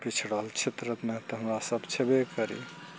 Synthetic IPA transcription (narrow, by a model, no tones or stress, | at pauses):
pit͡ʃʰɽəɦəlt͡ʃʰet̪ɾət̪nɛt̪ɔɦəmɾasəbt͡ʃʰebekəɾḭ